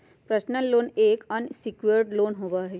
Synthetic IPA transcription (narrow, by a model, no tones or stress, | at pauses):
pɾəsnəlːoːneːkənsɪkjəɾɖloːnɦoːʋaɦɛː